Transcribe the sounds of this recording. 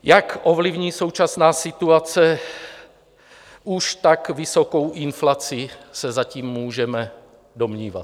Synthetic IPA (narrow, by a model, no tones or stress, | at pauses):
jakʔovlivɲiːsowt͡ʃasnaːsit̪uat͡sɛ | uʃt̪akvisokowʔinflat͡sisɛzaciːmːuːʒɛmɛ | domɲiːva̰t̪̚